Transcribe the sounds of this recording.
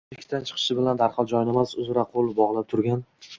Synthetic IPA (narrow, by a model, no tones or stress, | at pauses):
ɪkʲt̪ʰant͡ʃʰɨ̥qʰɨ̥ʃɪbɪland̪aɾqʰɒlˠd͡ʒɒjɪnemasʊzɾaqʰolˠɪbɒʁlˠap̚t̪ʰʊɾɡʲan